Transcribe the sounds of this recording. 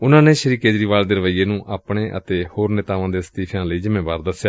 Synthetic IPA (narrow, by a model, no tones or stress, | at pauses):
ʊnãːneːʃəɾiːkeːd͡ʒɾiːʋaːld̪eːɾəʋəiːeːnũːʔaːpɳeːʔə̰t̪eːhoːɾnet̪aːʋãːd̪eːsə̥t̪iːpʰjãːləiːzɪmeːʋaːɾd̪əsjaː